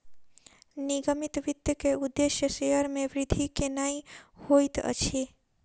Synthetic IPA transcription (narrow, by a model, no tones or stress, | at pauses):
niɡəmit̪ʋit̪jəkeud̪ːesjəseɦəɾmeʋɾid̪ʱikenajhojt̪ə̰t͡ʃʰi